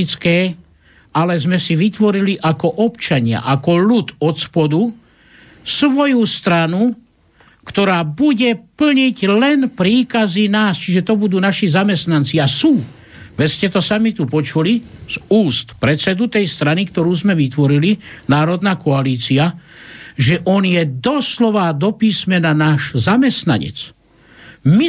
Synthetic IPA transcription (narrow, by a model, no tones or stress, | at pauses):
it͡skɛː | alɛzmɛsiʋit̪ʋɔɾiliʔakɔʔɔpt͡ʃaɲɪa̰ʔakɔlut̪ɔspɔd̪u | sʋɔjust̪ɾanu | kt̪ɔɾaːbuɟɛpl̩ɲiɟlɛnpɾiːkazinaːst͡ʃiʒɛt̪ɔbud̪uːnaʃizamɛst̪nant͡siasuː | ʋɛscɛt̪ɔsamit̪upɔt͡ʃulizuːst̪pɾɛt͡sɛd̪ut̪ɛjst̪ɾanikt̪ɔɾuːzmɛʋit̪ʋɔɾilinaːɾɔd̪naːkɔaliːt͡sia | ʒɛʔɔnjɛd̪ɔslɔʋad̪ɔpiːsmɛnanaːʒzamɛst̪na̰ɲɛ̰t͡s | mi